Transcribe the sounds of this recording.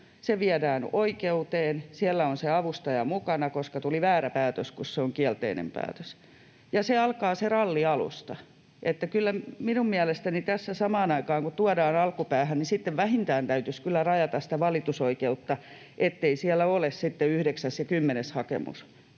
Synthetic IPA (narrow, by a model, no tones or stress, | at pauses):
seʋiædæːnoikeut̪eːnsiælːæonseɑʋust̪ɑjɑmukɑnɑkoskɑt̪uliʋæːɾæpæːt̪øskusseoŋkiælt̪ḛinḛmpæ̰ːt̪øs | jɑseɑlkɑːserɑlːiɑlṵst̪ɑ | ʔet̪ːækylːæminummiælest̪ænit̪æsːæsɑmɑːnɑikɑːŋkut̪uɑdɑːnɑlkupæːhænnisit̪ːeʋʋæhint̪æːnt̪æyt̪yskylːærɑjɑt̪ɑsit̪æʋɑlit̪usoikeut̪ːɑ | ʔet̪ːeisiælːæolessit̪ːeyhdeksæsjɑkymːeneshɑkḛmṵs